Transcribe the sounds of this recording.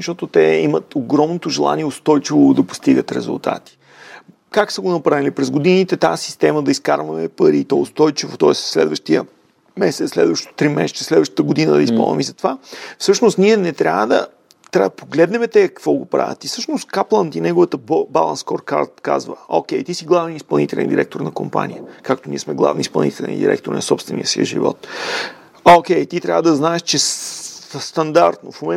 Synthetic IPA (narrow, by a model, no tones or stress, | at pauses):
ʃt̪ɔt̪ot̪ɛimət̪oɡɾɔmnot̪oʒɛlˠa̰niɛost̪ɔjt͡ʃivod̪ɐpo̥st̪iɡət̪ɾɛ̰zṵlˠt̪a̰t̪i̥ | kaksəɡonɐpɾavilipɾɛzɡod̪init̪ɛt̪asi̥st̪ɛməd̪ɐiska̰ɾvɐmɛpəɾit̪ɔʊst̪ɔjt͡ʃivo̰t̪ɔɛsslɛ̰d̪vəʃt̪iə̰ | mɛsɛt̪slɛ̰d̪vəʃt̪t̪ɾimɛ̰sɛ̥t͡ʃ̪əslɛd̪vəʃt̪ət̪əɡod̪inəd̪ɐispo̰lˠvə̰mizɐt̪ovafsɤʃnost̪niɛnɛt̪ɾʲa̰vəd̪ɐ̰ | t̪ɾʲavpʰoɡlɛd̪nɛmɛt̪ɛkkə̥kvɔɡopɾa̰vʲə̰t̪ifsɤʃnost̪kaplˠənd̪inɛɡʊvət̪əbba̰lˠə̰nskɔɾka̰t̪ka̰zvə̰ok̟ʲɛjt̪isiɡlˠavɛnispɐlˠnit̪ɛlɛ̰nd̪iɾʔɛk̚t̪oɾnɐkompa̰nʲijəkakt̪oniɛsmɛɡlˠa̰vnispɐlˠnit̪ɛlɛ̰nd̪ḭɾɛ̰kt̪oɾnɐsɔpst̪vɛnʲḭjəsiə̰ʒḭvɔ̰t̪ | ok̟ʲɛjt̪it̪ɾʲa̰vəd̪ɐznaɛʃt͡ʃɛ | st̪ɐnd̪aɾt̪nofmomɛ